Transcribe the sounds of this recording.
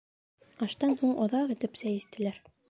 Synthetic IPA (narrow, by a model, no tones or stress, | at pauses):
ɑʃt̪ɑnhuɴʔɒðɑqĭt̪ɘpsæjist̪ɘ̆læɾ